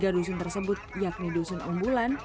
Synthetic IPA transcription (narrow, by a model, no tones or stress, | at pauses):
ɡadus̬ʊnt̪ərsəbʊt̪̚jak̚nidusʊnumbulan